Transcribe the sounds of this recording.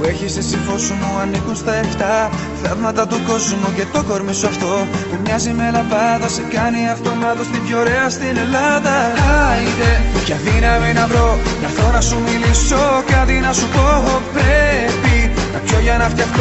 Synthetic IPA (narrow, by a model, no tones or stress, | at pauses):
pue̞çisesiɱfo̞simuɐnikunst̪ɐeɾçt̪ɐ | θɐvmɐt̪ɐt̪uko̞zmuce̞t̪o̞ko̞ɾmisoɐft̪o̞pumɲɐzime̞lɐpɐðɐsekɐniɐft̪o̞mɐt̪ost̪ivʝo̞ɾe̞ɐst̪ine̞lɐðɐɐit̪ecɐðinɐminɐvɾo̞nɐft̪o̞nɐsumiliso̞kɐt̪inɐsupo̞pɾepit̪ɐksoʝɐnɐft̪çɐxt̪o